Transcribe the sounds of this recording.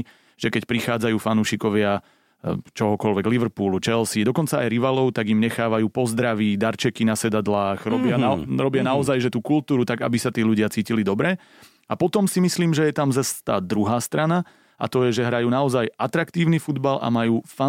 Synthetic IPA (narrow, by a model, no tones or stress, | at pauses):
ʒ̥ɛkɛcpɾixaːd͡zajuːfanuːʃikɔʋɪa | t͡ʃɔɦɔkɔlʋɛɡliʋɾpuːlut͡ʃɛlsid̪ɔkɔnt͡saajɾiʋaːlɔʊt̪aɡimɲɛxaːʋajuːpɔzd̪ɾaʋiːd̪aɾt͡ʃɛkinasɛd̪ad̪laːxɾɔbɪaaɾɔbɪanaɔzajʒɛt̪uːkult̪uːɾut̪aɡa̰bisat̪iːʎuɟɪat͡siːcilid̪ɔbɾɛ | apɔt̪ɔmsimisliːmʒɛjɛt̪amzast̪a̰ːd̪ɾuɦaːst̪ɾana | ʔa̰t̪ɔjɛʒɛɦɾajuːnaɔzajʔat̪ɾakt̪iːʊnifud̪balʔa̰majuːfa